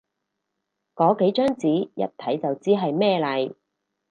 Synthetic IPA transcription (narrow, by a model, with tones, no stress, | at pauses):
kɔː˨˥ke˨˥jt͡ʃœː˥ŋt͡siː˨˥jɐ̰˨t̚t̪ʰɐ˨˥jt͡sɐ˨wt͡siː˥ɦɐ˨jmɛː˥˧lɐ˨j